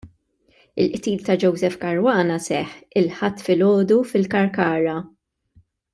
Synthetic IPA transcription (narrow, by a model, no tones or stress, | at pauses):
ɪlʔt̪iːlt̪ɐd͡ʒɔwzɛfkɐɾwɐːnɐsɛħɪlħɐt̪ːfɪlɔːd̪ufɪlkɐɾkɐːɾɐ